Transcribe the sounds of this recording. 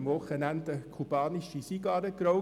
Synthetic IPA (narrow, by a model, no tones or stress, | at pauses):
mvɔχənænt̪əkʰubɑːniʃisiɡɑːɾəkɾoʊ